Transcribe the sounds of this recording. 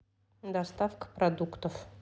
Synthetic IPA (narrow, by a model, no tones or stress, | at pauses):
d̪ɐst̪afkə̥pɾɐd̪ukt̪əf